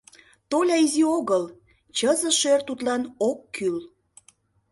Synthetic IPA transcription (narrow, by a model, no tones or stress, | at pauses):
t̪olʲɑizioɣəl | t͡ɕəzə̆ʃørt̪ut̪lɑnokʰːyl